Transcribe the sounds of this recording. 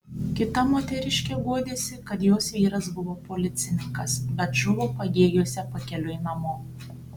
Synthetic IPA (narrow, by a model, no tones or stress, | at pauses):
kʲɪt̪ɐmoːt̪ʲɛɾʲɪʃʲkʲeːʋuɔd̪ʲeːsʲɪkɐt̪joːsʋʲiːɾɐsbʊʋoːpoːlʲɪt̪sʲɪnʲɪŋkɐsbʲɛt̪ʒʊʋopɐɡʲeːjoːsʲɛpɐkʲɛlʲʊɪnɐmoː